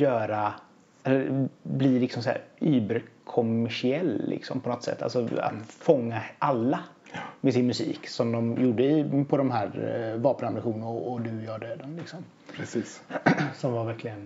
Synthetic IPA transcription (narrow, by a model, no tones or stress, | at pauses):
jœːɾa | ɛlːəɾblilɪksɔmshæ̰ːɾyːbɛɾkʰɔmːæʂɪɛlːlʔɪ̰ksɔ̰mpʰɔnɔt̪sɛ̰t̪ːa̰lsɔa̰t̪fɔŋːaʔalːa | mɛsɪnmɵsḭːksɔmd̪ɔmjuːɖəɪpʰɔd̪ɔmɦæːɾvɑːpənamɾɪɧuːnənaɔːd̪ɵjɑːɖøːd̪ənlɪksɔm | pɾɛsiːssɔmvaɾvæɾklɪɡən